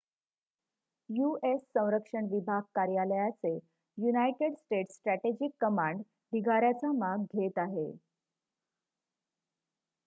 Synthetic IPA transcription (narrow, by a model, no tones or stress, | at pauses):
juesːə̃w̃ɾəkʂəɳʋibʱaɡ̚kaɾjaləjat͡se | junajʈeɽsʈeʈsːʈɾæʈed͡ʑikːəmaɳɖ | d̪ʱiɡʱaɾjat͡samaɡɡʱet̪aɦe